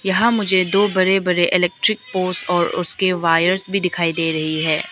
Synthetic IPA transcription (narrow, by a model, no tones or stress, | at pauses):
jɐɦãmʊd͡ʒʱed̪oːbɐɾebɐɾeʔɪlɛːk̚ʈɾɪk̚poːsɔːɾʊ̰skeʋaːjəɾsbʱid̪ɪkʰaːid̪eːɾɐɦiɦɛː